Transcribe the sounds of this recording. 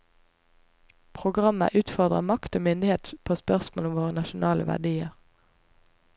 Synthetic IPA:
pʰʁʊɡʁɑmə̰ʔʉːt̪fɔʁd̪ʁəmɑkt̪oːmʏnd̪ɪheːt̪pʰoːspœʁsmoːlʊmʋoːʁənɑʃʊnɑːləʋæ̰ʁɖ̪iːəʁ

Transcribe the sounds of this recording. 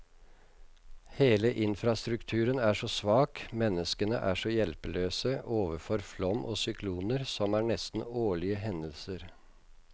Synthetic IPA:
heːləʔɪnfɾɑst̪ɾʉkt̪ʰʉːɾənæːʂɔsʋɑːkmɛnːəskənə̰ʔæ̰ːʂɔjɛlpəløːsəʔoːʋəfɔɾflɔmʔo̰ːsʏkʰluːnəɾsɔmæːɳɛst̪n̩oːɭɪəɦɛnəlsəɾ

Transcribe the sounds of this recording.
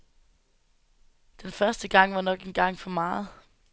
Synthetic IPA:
d̥enfɶɐsd̥əɡ̥ɑ̈ŋ̰ʋɑ̈nɒ̽ɡ̥e̝nɡ̥ɑ̈ŋ̰fɒ̽mɑ̈ːð̩ˠ

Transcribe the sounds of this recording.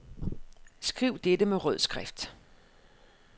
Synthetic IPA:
sɡ̥ʁiʊ̰d̥ed̥əmeʁœðˠsɡ̥ʁɛfd̥

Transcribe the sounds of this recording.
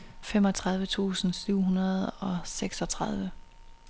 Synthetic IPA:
femɒ̽t͡sʰʁɑ̈ð̞ˠʋət͡sʰṵːsn̩syʊ̰ɦunɐð̞̩ˠɒ̽seɡ̥sɒ̽t͡sʰʁɑð̞ˠʋə

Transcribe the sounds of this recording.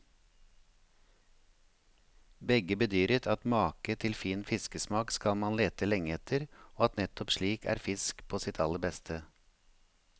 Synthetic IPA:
bɛɡəbət̪d̪yːɾɪt̪ʰɑt̪mɑːkət̪ʰɪlfiːnfɪskəsmɑːkskɑlmɑnleːt̪əlɛŋəɛt̪ʰəɾoːɑt̪nɛt̪ʰɔpʃliːkʰæ̰ːɾfɪskpʰoːsɪt̪ʰɑləɾbɛst̪ʰə

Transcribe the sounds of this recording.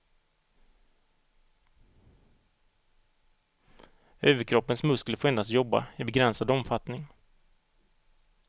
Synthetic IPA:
øːvəɾkʰɾɔpːənsmɵskləfoːɛnd̪ast̪jɔbːa̰abɛɡɾɛnsad̪ɔmfat̪nɪŋ

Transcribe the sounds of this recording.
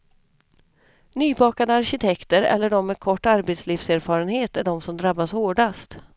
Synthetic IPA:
nyːbɑːkad̪əaɾɕɪt̪ʰɛkt̪əɾɛ̰lːəɖɔmːɛkʰɔʈːaɾbɛt̪sliːfseːɾfɑːɾənheːt̪æɖɔmsɔmd̪ɾabːashoːɖast̪

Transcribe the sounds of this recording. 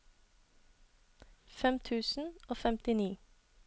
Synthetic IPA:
fɛmt̪ʰʉːsn̩oːfɛmt̪ɪniː

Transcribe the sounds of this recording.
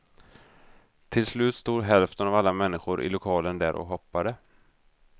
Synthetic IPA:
t̪ʰɪlslʉ̟ːt̪st̪uːd̪ɦɛlft̪ənavalːamɛnːɪɧʊɾʔɪ̰lʊkʰɑːlənd̪æːɾʔɔ̰kɦɔpːad̪ə

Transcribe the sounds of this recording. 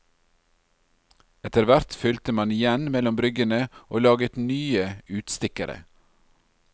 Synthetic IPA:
ɛt̪əɾʋæɾt̪fʏlt̪əmɑnɪjɛnmɛlɔmbɾʏɡənəʔoːlɑːɡət̪nyːəʉːt̪st̪ɪkəɾə̰

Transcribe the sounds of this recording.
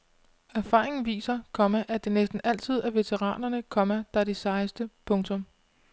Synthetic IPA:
æɐfɑ̰̈ːʁe̝ŋn̩ʋḭːsɐkʰɒ̽mæʔæd̥e̝nesd̥n̩æl̰t͡sʰið̞̰ˠæɐʋe̝t͡sʰeʁɑ̰̈ːnɐnəkʰɒ̽mæd̥ɑɐd̥isɑ̈ɪsd̥əpʰɔ̽ŋt͡sʰɔ̽m

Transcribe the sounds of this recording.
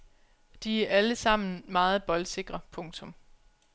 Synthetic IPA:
d̥iæɐʔæləsɑ̈m̰n̩mɑ̈ːð̞̩ˠb̥ɒ̽lse̝ɡ̥ʁɐpʰɔ̽ŋt͡sʰɔ̽m

